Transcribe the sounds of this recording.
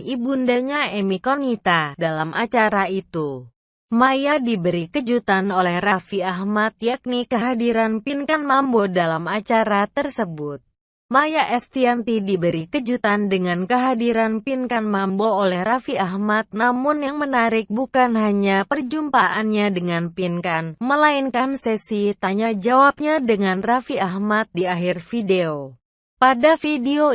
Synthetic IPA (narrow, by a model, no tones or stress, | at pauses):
ibundaɲaɛmikonit̪adalamʔat͡ʃaɾait̪u | majadibəɾikəd͡ʒut̪anolɛhrafiaɦmat̪̚jak̚nikəɦadiɾanpinkanmambodalamat͡ʃaɾat̪ərsəbʊt̪̚ | majaʔɛst̪iant̪idibəɾikəd͡ʒut̪andəŋankəɦadiɾanpinkanmamboolɛhrafiahmat̪̚namʊnjaŋmənaɾɪk̚bukanɦaɲapərd͡ʒumpaʔanɲadəŋanpinkanməlainkansɛsit̪aɲad͡ʒawap̚ɲadəŋanrafiahmat̪̚diaɦɪrfideo | padafideo